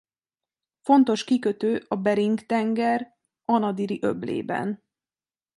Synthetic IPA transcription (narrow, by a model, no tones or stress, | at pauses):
fo̞nt̪o̞ʃkikøt̪øːʔɒbɛɾiŋkt̪ɛŋɡɛr | ɒnɒd̪iɾiʔøblḛːbɛ̰n